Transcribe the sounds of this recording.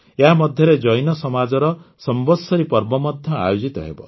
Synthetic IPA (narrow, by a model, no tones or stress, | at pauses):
eɦamɔd̪ʱjɔɾed͡ʒɔjnɔsɔmad͡ʒɔɾɔsɔmbɔsɔɾipɔɾbɔmɔd̪ʱjɔa̰jud͡ʒit̪ɔɦḛbɔ